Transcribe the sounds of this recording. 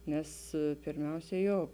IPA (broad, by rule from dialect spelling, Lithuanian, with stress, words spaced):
ˈnʲɛs pʲɪrʲˈmʲɛʊsʲɛ ˈjoː